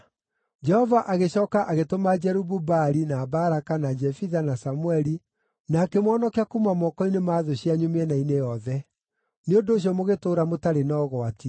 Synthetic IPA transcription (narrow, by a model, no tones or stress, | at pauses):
d͡ʒɛhɔvaʔaɣeɕɔːkaʔaɣetomad͡ʒɛɾububaɾinaːbaɾakanad͡ʒɛfiðanasamwɛɾi | nakɛmwɔːnɔkeakumamɔkɔinemaðoɕiaɲumeɛnainejɔðɛ | neondoːɕ̬jɔmoɣetoːɾamotaɾenɔːɣɔati